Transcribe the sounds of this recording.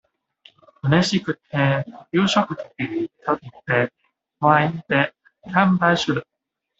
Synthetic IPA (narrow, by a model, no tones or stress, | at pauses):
ɯneɕikɯ̟t̪ʰːejɯːɕokɯ̟t̪o̥kʲit̪okʲit̪ːe | oaint̪e | k̪ʰãmbaiɕɨɾɯ̟